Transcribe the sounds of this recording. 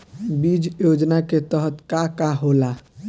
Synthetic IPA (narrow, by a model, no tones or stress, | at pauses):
bid͡ʒjod͡ʒnaket̪əɦət̪kakaɦola